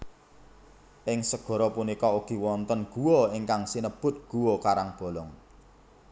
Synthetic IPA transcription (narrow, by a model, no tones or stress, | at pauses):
ʔɪŋsəɡ̥ɔ̤ɾɔpunikɔuɡ̥i̤wɔnt̪ənɡ̥uwɔiŋkaŋsinəb̥ʊ̤t̪̚ɡ̥ṳwɔkaɾaŋb̥ɔ̤lɔŋ